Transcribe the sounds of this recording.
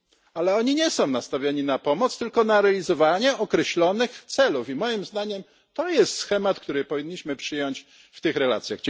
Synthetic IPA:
alɛɔɲiɲɛsɔ̃w̃nast̪avʲjaɲinapɔmɔt̪st̪ɘlkɔnaɾɛalʲizɔvaɲɛʔɔkɾɛɕlɔnɘxt̪sɛlufimɔjimzd̪aɲɛm | t̪ɔjɛst̪sxɛmat̪kt̪uɾɘpɔvʲiɲːiɕmɘpʂɘjɔɲt͡ɕ | ft̪ɘxɾɛla̰t̪sʲjaɣd͡ʑ

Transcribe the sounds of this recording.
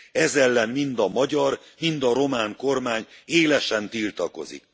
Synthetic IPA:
ɛzɛlːɛnmind̪ɒmɒɟɒr | mind̪ɒɾo̞maːŋko̞rmaːɲeːlɛʃɛnt̪ilt̪ɒko̞̰zḭk

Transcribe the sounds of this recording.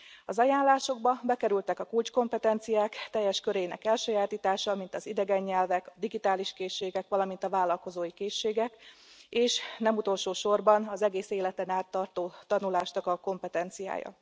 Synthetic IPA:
ɒzɒjaːnlaːʃo̞ɡbɒbɛkɛɾylt̪ɛkɒkult͡ʃko̞mpɛt̪ɛnt̪sijaːkt̪ɛjːɛʃkø̞ɾɛjinɛ̰kɛlʃøːjaːt̪iːt̪aːʃɒmint̪ɒzid̪ɛɡɛɲːɛlvɛkɒd̪iɡit̪aːliʃkeːʃːeːɡɛkʋɒlɒmint̪ɒvaːlɒlko̞zoːjikeːʃːeːɡɛkeːʃnɛmut̪o̞lʃoːʃo̞rbɒnɒzɛɡeːseːlɛt̪ɛnaːt̪ːɒrt̪oːt̪ɒnulaːʃnɒkɒko̞mpɛt̪ɛnt̪sija̰ːjɒ̰

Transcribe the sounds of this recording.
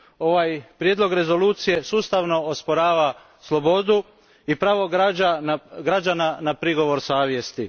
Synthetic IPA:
o̞ʋajpɾjed̪lˠo̞ɡɾe̞zo̞luːt̪sije̞suːst̪aʋno̞ospoɾaːʋa | slˠo̞bo̞d̪u | ipɾaːʋo̞ɡaaɡɾad͡ʒananapɾiɡo̞ʋo̞ɾsaːʋje̞st̪i

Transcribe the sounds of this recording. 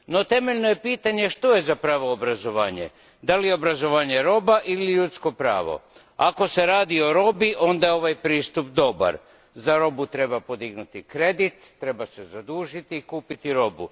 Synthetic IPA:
no̞t̪e̞me̞ʎnoje̞piːt̪aɲe̞ʃt̪o̞je̞zapɾaːʋo̞ːbɾazo̞ʋaːɲḛ | d̪alijeo̞bɾazo̞ʋaːɲe̞ɾo̞baʔiliʎut̪sko̞pɾa̰ːʋo̞̰ | ako̞se̞ɾaːd̪io̞ɾo̞biʔo̞nd̪ajeo̞ʋajpɾiːst̪upd̪o̞ba̰ɾ | zaɾo̞but̪ɾe̞bapo̞d̪iɡnut̪ikɾe̞d̪it̪ːɾe̞basezad̪uːʒit̪iːkuːpit̪iɾo̞bṵ

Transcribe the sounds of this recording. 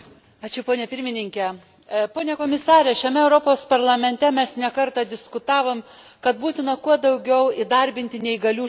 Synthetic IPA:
ɑːt͡ʃʲʊpoːnʲɛpʲɪɾʲmʲɪnʲɪŋʲkʲɛ | poːnʲekoːmʲɪsɑːɾʲɛʃʲɛmʲɛɛʊɾopoːspɐɾlˠɐmʲɛnʲt̪ʲɛmʲɛsnʲɛkɐɾt̪ɑd̪ʲɪskʊt̪ɑːʋoːm | kɐt̪̚buːt̪ʲɪnɐkuɔd̪ɐʊɡʲɛʊiɪd̪ɐɾʲbʲɪnʲt̪ʲɪnʲɛɪɡɐlʲuː

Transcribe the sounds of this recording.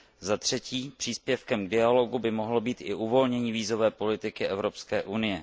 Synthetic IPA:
zat̪r̝̥ɛciːpr̝̥iːspjɛfkɛmɡdɪalo̞ɡubɪmo̞ɦlobiːt̪ʔɪʔuvo̞lɲɛɲiːviːzo̞vɛːpo̞lɪt̪ɪkɪʔɛvɾo̞pskɛːʔunɪjɛ

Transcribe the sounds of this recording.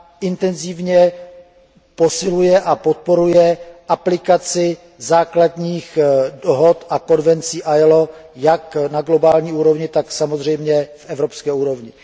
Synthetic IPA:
ɪnt̪ɛnzɪvɲɛ | po̞sɪlujɛʔapo̞t̪̚po̞ɾujɛʔaplɪkat͡sɪ | zaːkladɲiːxdoɦot̪ako̞nvɛnt͡siːʔajlojaknaɡlo̞baːlɲiːuːɾo̞vɲɪt̪aksamozr̝ɛjmɲɛfʔɛvɾo̞pskɛːuːɾo̞vɲɪ

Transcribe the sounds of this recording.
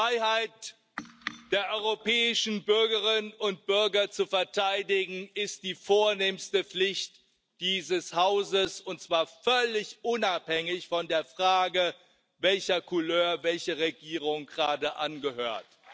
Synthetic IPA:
ʁaɪhaɪt | d̥eːɐʔɔʏʁopʰɛːɪʃn̩bʏɐɡəʁɪnnʊnt̚b̥ʏɐɡɐt͡sufɛɐtʰaɪdɪɡŋ̩ɪst̚d̥iːfoːɐneːmstəp͡flɪçt | d̥iːzəshaʊzəsʊntt͡sv̥aːɐfœlɪçʔʊnaphɛŋɪçfɔndeːɐfʁ̥aːɡə | vɛlçɐkʰʊløːɐvɛlçəʁeɡiːʁʊŋɡəʁaːdəʔanɡəhøːɐt

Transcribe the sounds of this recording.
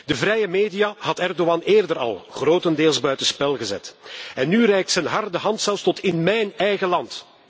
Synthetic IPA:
dəvɾɛjəmeːdijaɦɑtɛrdoɑneːrdəɾɑ̰lˠɣroːtəndeːlˠzbœɥtənspɛlˠɣəzɛ̰tɛnːyrɛjk̚tsənɦɑrdəɦɑntsɛlˠfstɔtɪnmɛjnɛjɣəlɑnt

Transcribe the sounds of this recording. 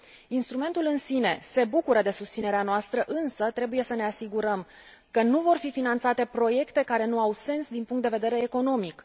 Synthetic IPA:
inst̪ɾume̞nt̪ulɨnsine̞se̞bukuɾəd̪e̞sust̪sineɾeanoast̪ɾəʔɨnsət̪ɾe̞buje̞səne̞asiɡuɾəm | kənuvo̞rfifinant̪sat̪e̞pɾo̞je̞kt̪e̞kaɾe̞nuawse̞nsd̪inpuŋkt̪d̪eve̞d̪e̞ɾeːko̞no̞mik

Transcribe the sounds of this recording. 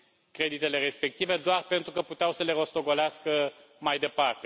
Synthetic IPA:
kɾe̞d̪it̪e̞le̞ɾe̞spe̞k̚t̪ive̞d̪oarpe̞nt̪ɾukəput̪eawsəle̞ɾo̞st̪o̞ɡoleaskə | majd̪e̞part̪e̞

